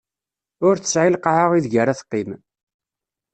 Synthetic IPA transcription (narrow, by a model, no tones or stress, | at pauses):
ʊɾθə̥sʕilqʕəʁiðʝəɾaθqːim